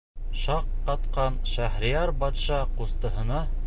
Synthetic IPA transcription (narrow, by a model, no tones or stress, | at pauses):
ʃɑqːɑt̪qɑnʃæhɾijɑɾbɑt̪ʃɑqust̪ɤ̆ɦɤ̆nɑ